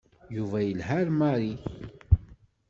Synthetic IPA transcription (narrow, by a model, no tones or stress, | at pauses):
juvæjəlhæɾmaɾi